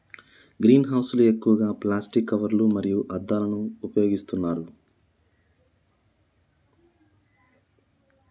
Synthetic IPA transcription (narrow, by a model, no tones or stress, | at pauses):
ɡɾiːnɦɐwsulue̞kːuʋɐɡaːplaːsʈikːɐʋɐɾlumɐɾijuʔɐd̪ːaːlɐnuːpɐjo̞ːɡist̪unːaːɾu